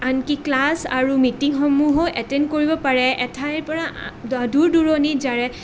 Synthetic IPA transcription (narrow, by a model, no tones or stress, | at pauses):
ankiklasaɹumitiŋxɔmuɦoʔɛtɛnkoɹibɔpaɹɛɛtʰajɹpɔɹaduɹduɹɔnizaɹɛ